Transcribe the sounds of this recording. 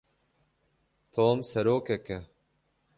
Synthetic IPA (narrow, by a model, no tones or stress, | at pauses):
t̪ʰoːmsɐɾoːkeke